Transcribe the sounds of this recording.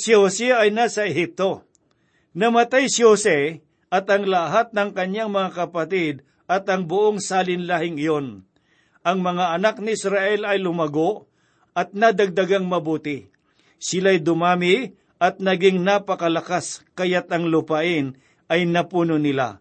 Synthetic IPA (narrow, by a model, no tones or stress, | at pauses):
sɪhosɛɐjnasɐɛɦip̚t̪o̞ | nɐmɐt̪ajsɪhosɛ | ʔɐt̪ɐŋlɐɦat̪̚nɐŋkɐɲjaŋmɐŋakɐpɐt̪ɪd̪̚ | ɐt̪ɐŋbʊʔoŋsaːlɪnlahɪŋɪjon | ʔɐŋmɐŋaɐnak̚nɪɪsɾaʔɛlɐjlʊmɐɡoʔ | ɐt̪̚nad̪ɐɡ̚d̪ɐɡaŋmɐbuːt̪ɪ | sɪlajd̪ʊmaːmɪ | ʔɐt̪̚nɐɡɪŋnapɐkɐlɐkaskɐjat̪ɐŋlʊpaʔɪn | ʔɐjnɐpuːnonɪla̰